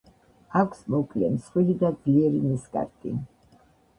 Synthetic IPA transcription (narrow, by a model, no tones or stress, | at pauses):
akʰsmɔkʼlɛ̰msχwilid̪aiɛɾimiskʼa̰ɾkʼḭ